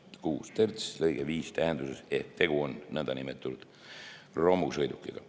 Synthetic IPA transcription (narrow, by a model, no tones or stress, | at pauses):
kuːst̪ert̪slɤjɡ̥eviːst̪æɦend̪usese̞̰hk̚t̪e̞ɡ̥uo̞nːɤnd̪ɑnimet̪ːˑunud̪̥ | ro̞mːusɤjd̪ukːˑiɡ̥ɑ